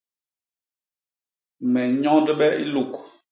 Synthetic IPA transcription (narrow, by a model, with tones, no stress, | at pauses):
mɛ˨ɲɔ˦də˦ɓɛ˦ʔḭ˦lu˨k